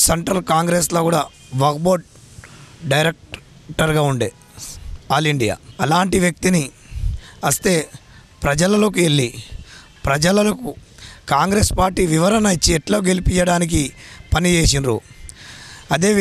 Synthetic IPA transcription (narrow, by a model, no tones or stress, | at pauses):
seɳʈɾɐlkaːŋɡɾeːsloːkuːɽaː | ʋɐːk̚boːʈ̚ | ɖɐjɾek̚ʈ | ʈɐɾɡaːuɳɖeː | aːliɳɖija̰ːɐlaːɳʈiʋjɐk̚t̪ini | ɐst̪e̞ː | pɾɐd͡ʒɐlɐloːkueɭːi | pɾɐd͡ʒɐlɐlɐkukaːŋɡɾeːspaːɾʈiːʋiʋɐɾɐnɐit͡ʃːiɛʈlo̞ːɡe̞lipit͡ʃːɐɽaːnik̬ipɐnit͡ʃe̞ːs̬inɾṵ | ɐd̪e̞ː